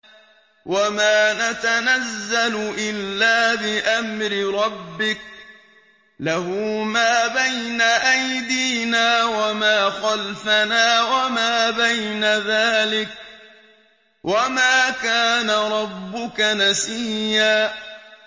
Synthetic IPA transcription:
wʔamaːnat̪anazːalʊʔɪlːaːbɪʔamɾɪɾˤɑbːɪk̚ | lahʊmaːbajnaʔajd̪iːnaːwamaːxalfanaːwamaːbajnaðaːlɪk̚ | wʔamaːkaːnaɾˤɑbːʊkanasiːaː

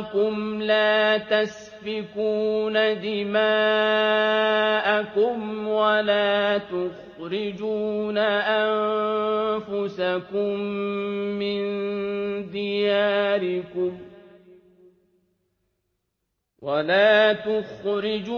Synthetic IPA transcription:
kʊmlaːt̪as | fɪkuːnad̪ɪmaː | ʔakʊmwalaːt̪ʊx | ɾɪd͡ʒuːnaʔann | fʊsakʊmː | ɪn | d̪ɪjaːɾɪkʊm | wʔalaːt̪ʊxɾɪd͡ʒ

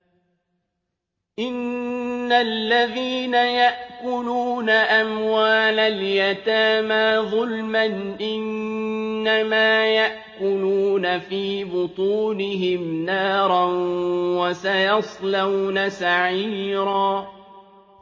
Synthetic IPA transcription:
ʔɪnː | alːaðiːnajaʔkʊluːnaʔamwaːlaljat̪aːmaːðˤʊlmanʔɪnː | amaːjaʔkʊluːnafiːbʊt̪ˤuːnɪɦɪmnaːɾˤɑnwasajɑsˤlawnasaʕiːɾɑː

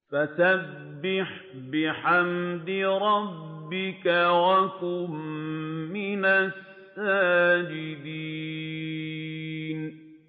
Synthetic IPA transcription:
fasabbːɪħ | bɪħamd̪ɪɾˤɑbbːɪkawakʊmː | ɪnasː | aːd͡ʒɪd̪iː | n

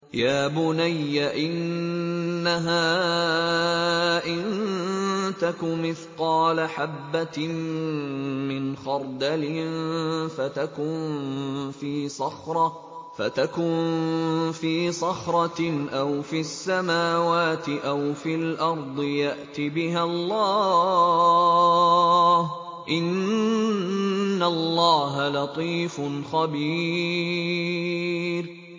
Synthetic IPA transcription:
jaːbʊnajːaʔɪnː | aɦaː | ʔɪn | t̪akʊmɪθqɑːlaħabːa | mɪnxɑɾˤd̪alɪnfat̪akʊnnfiːsɑxɾˤɑ | fat̪akʊn | fiːsɑxɾˤɑʔawfiasːamaːwaːt̪ɪʔawfilʔɑɾˤd̪ˤɨjaʔt̪ibɪɦalˤːɑː | h | ʔɪn | alːɑːɦalɑt̪ˤiːfʊnxabiː | ɾ

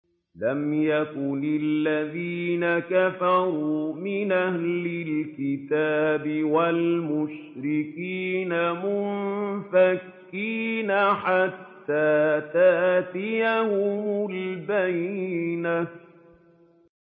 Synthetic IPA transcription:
lamjakʊnɪlːaðiːnakafɑɾuːmɪnʔahlɪlkɪt̪aːbɪwalmʊʃ | ɾɪkiːnamʊnfakːiːnaħat̪ːaːt̪aʔt̪ɪjahʊmʊlbajna

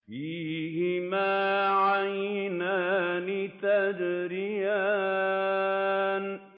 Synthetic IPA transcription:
fiːɦɪmaːʕajnaːnɪt̪ad͡ʒɾɪjaː | n

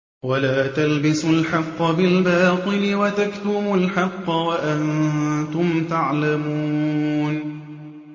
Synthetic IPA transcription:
walaːt̪albɪsʊlħɑqːɑbɪlbɑːt̪ˤɨlɪwat̪akt̪ʊbʊlħɑqːɑwaʔannt̪ʊmt̪aʕlamuːn

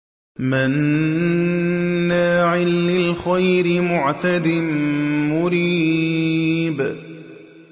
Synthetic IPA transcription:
mɪn | aːʕɪlːɪlxajɾɪmʊʕt̪ad̪ɪmmʊɾiː | b

